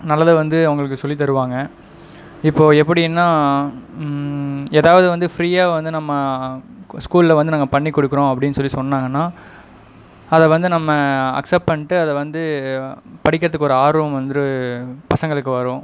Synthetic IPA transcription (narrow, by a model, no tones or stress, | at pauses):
nɐlːɐðɯʋɐnd̪ɯɐɐŋɡɐɭɯk̬ːɯsɔlːit̪̬ɐɾɯʋaːŋɡɐ | ɪpːoːɛpːɐɽiɛnːaː | eːðaːʋɐðɯʋɐnd̪ɯfɾiːaːʋɐnd̪ɯnɐmːɐ | skuːllɐʋɐnd̪ɯnaːɡɐpɐɳːikːɔɽɯkːɪɾõːɐpːɐɽɪnːɯsɔlːisɔnːaːŋɡɐnːaː | ɐðɛʋɐnd̪ɯnɐmːɐɐ̰ksɛp̚ʈpɐɳɪʈːɯɐðɛʋɐnd̪ɯ | pɐɽɪkːɪɾɐðɯkːɔɾɯaːɾumʋɐnd̪ɾɯpɐsɐŋɡɐɭɯkːɯʋɐɾõ